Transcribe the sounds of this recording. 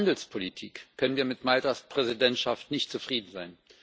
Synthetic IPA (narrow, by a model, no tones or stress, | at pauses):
andl̩spʰolitʰḭːkkʰːœnənviːɐmɪtmaltɐspʁ̥ɛzidɛntʃaftnɪçtt͡sufʁ̥iːdn̩zaɪn